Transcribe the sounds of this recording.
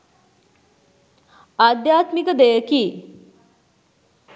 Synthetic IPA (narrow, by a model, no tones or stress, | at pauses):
ad̪jaːt̪mikəd̪ejəkiː